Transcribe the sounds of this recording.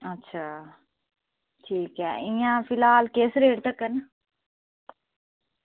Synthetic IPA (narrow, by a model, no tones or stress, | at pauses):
ətːʃʰaː | ʈʰiːkɛ̰ːʔĩjãfɪlaːlkeːsɾeːɽt̪ɐkːən